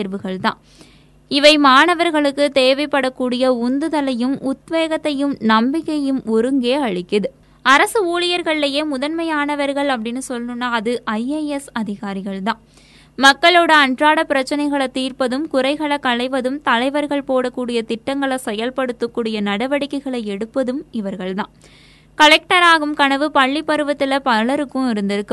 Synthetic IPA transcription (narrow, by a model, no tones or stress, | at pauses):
eɾʋɯɣɐɭt̪ã̰ː | ɪʋɐɪmaːɳɐʋɐɾɣɐɭɯkːɯt̪eːʋɐɪpːɐɽɐkːuːɽɪjɐʊnd̪ɯðɐlɐjɯmʊt̪ʋeːɣɐt̪ːɐjɯmnɐmbɪkːɐjɯmɔɾɯŋɡeːɐɻɪkːɐðɯ | ɐɾɐsɯuːlɪjɐɾɣɐɭlɐjeːmʊðɐnmɐjaːnɐʋɐɾɣɐɭɐp̬ːɐɽɪnːɯsɔlnɯnːaːɐðɯʔɐɪeɛsɐðɪɣaːɾɪɣɐɭt̪ãː | mɐkːɐɭoːɽɐɐɳdraːɽɐpɪɾɐt͡ʃːɐnɐɪɣɐɭɐt̪iːɾpɐðɯmkʊɾɐɪɣɐɭɐkːɐɭɐɪʋɐðɯmt̪ɐlɐɪʋɐɾɣɐɭpoːɽɐkːuːɽɪjɐt̪ɪʈːɐŋɡɐɭɐsɛjɐlpɐɽɯt̪ːɯkːuːɽɪjɐnɐɽɐʋɐɽɪkːɐɪɣɐɭɐɪɛɽɯpːɐðɯmɪʋɐɾɣɐɭt̪ã̰ːn | kɐɭɛk̚ʈɐɾaːɣɯmkɐɳɐʋɯpɐɭːipːɐɾɯʋɐt̪ːɪlɐpɐɭɐɾɯkːʊ̃ɪɾɯnd̪ɪɾɯkːɯ